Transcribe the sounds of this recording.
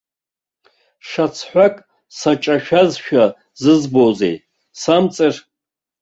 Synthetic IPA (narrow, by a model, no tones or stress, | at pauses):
ʂat͡sʰħʷakʼ | sat͡ʃʼaʃᶣazʃᶣa | zɨzbozḛj | samt͡sʼɨr